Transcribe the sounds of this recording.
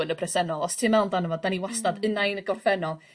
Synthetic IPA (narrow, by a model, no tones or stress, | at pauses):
ənəpʰrɛsɛnɔlˠɔstʰɪmɛwndanəvɔddaniwastadənajnəɡɔrfɛnɔlˠ